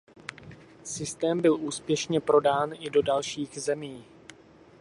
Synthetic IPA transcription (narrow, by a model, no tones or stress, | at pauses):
sɪst̪ɛːmbɪluːspjɛʃɲɛpɾo̞daːnʔɪdo̞dalʃiːɣzɛmiː